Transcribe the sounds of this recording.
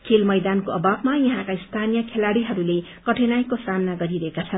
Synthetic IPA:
kʰilmʌjd̪ankoʌbabmajʌɦãkaist̪ʰanijʌkʰelaɽiɦʌɾule | kʌʈʰenajkosamnaɡʌɾiɾʌɦekat͡sʰʌn

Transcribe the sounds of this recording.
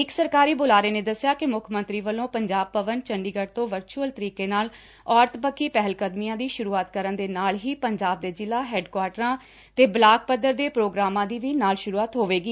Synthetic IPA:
ɪksəɾkaːɾiːbʊlaːɾeːneːd̪əsːɪjaːkɪmʊkʰmə̃nt̪ɾiːʋəlːõːpəɲd͡ʒaːb̚pəʋənt͡ʃəɳɖiːɡəʈt̪õːʋəɾt͡ʃuəlt̪əɾiːkeːnaːl | ɔːɾt̪ʰpəkʰːiːpɛɦəlkəd̪mijãːd̪iːʃʊɾuːaːt̪kəɾənd̪eːnaːlɦiːpəɲd͡ʒaːb̚d̪eːd͡ʒɪlːaːɦɛːɖkwaːɾʈɾãː | t̪eːblaːk̚pəd̪əɾd̪eːpɾoːɡɾaːmãːd̪iːʋiːnaːlʃʊɾuːaːt̪ɦoːʋeːɡiː

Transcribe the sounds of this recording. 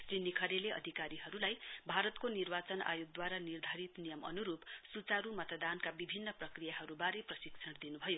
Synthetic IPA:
srinikʰʌɾeleʔʌ̰d̪ʱikaɾiɦʌɾulajbʱaɾʌt̪konirbat͡sʌna̰juɡ̚d̪waɾanird̪ʱaɾit̪nijʌmʌ̰nuɾupsut͡saɾumʌt̪d̪ankabibʱinːʌprʌkrijaɦʌɾubaɾeprʌsiksʰʌɽd̪inubʱʌjo

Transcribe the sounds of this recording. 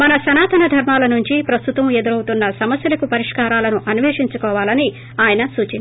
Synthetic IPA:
mɐnɐsɐnaːt̪ʰɐnɐd̪ʱɐɾmaːlɐnuɲt͡ʃipɾɐst̪ut̪ɐmed̪uɾɐwut̪unːɐsɐmɐsjɐlɐkupɐɾiʂkaːɾaːlɐnuʔɐniʋeːʂiɲt͡ʃukɔːʋaːlɐni | aːjɐnɐsuːt͡ʃin

